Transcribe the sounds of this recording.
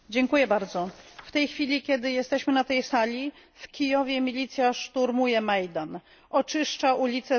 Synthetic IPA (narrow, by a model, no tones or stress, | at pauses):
d͡ʑɛŋkujɛbaɾd̪zɔft̪ɛjxfʲilʲikʲɛd̪ɘjɛst̪ɛɕmɘnat̪ɛjsalʲi | fkʲijɔvʲjɛmʲilʲit̪sʲjaʂt̪uɾmujɛmajd̪an | ɔt͡ʂɘʂt͡ʂaʔulʲit̪sɛ